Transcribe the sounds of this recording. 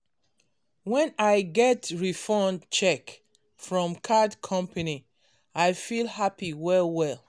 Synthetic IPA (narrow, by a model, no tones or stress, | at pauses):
wɛ̃naɪɡɛtɹifɔ̃nt͡ʃɛk | fɹɔ̃mkʰadkʰɔ̃mpʰani | aɪfilˠhapiwɛlwɛl